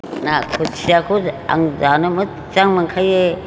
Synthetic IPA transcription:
nakʰut̚sʰiakʰua̰ŋzanɯmɯ | t͡ʃaŋmaŋkʰaje

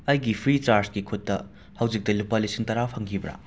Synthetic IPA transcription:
ɐjɡipʰɾit͡ʃaɾsɡikʰutːɐ | hɐwd͡ʒik̚tɐlupalisiŋtɐɾapʰɐŋɡʰibɾa̰

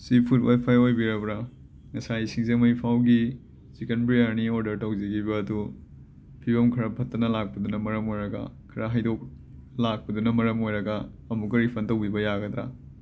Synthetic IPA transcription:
sipʰutwajpʰajojbiɾɐbɾɐ | ŋɐsaisiŋzemɐjpʰawɡi | sikenpɾijɐɾnioɾdɐɾtɐwzeɡibɐːdu | pʰibɐmkʰɐɾɐpʰɐtːɐnɐlak̚pɐdunɐmɐɾɐmojɾɐɡa̰kʰɐɾaɦajdok̚ | lak̚pɐdunɐmɐɾɐmojɾɐɡaː | mukɐɾipʰɐntɐwbibɐjaɡɐd̪ɾa̰

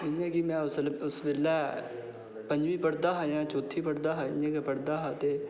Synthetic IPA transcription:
ɪjãːkimɛ̃ːʊsʊsʋelːɛː | pə̃ɲd͡ʒʋiːpəɽd̪aːɦaːjãːt͡ʃoːt̪ʰːiːpəɽd̪aːɦaɪ̰ãːkepəɽd̪aːɦaːt̪eː

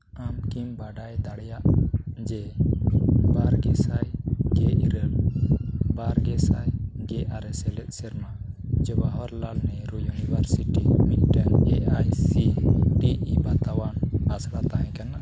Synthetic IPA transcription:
amkimbaɖajd̪aɽjaʔd͡ʒɛ | baɾɡɛsajɡeʔiɾəl | baɾɡɛsajɡɛʔaɾɛsɛlɛt̪̚sɛɾma | d͡ʒɛbaɦɔɾlalnɛɾujunibʱaɾsiʈimit̪̚ʈɛneʔajsiʈiibat̪awanasɽat̪aɦɛ̃kɛnaʔ

